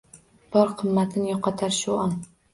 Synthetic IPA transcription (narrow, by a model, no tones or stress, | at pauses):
b̥ɒɾqʰɨmːat̪ʰɪnjɒqʰːɑt̪ʰaɾʃʊɒn